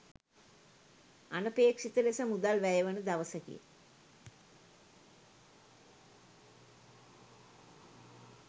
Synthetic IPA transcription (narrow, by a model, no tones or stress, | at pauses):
anəpeːkʂit̪əlesəmud̪alʋæjəʋənəd̪aʋəsəkḭə̰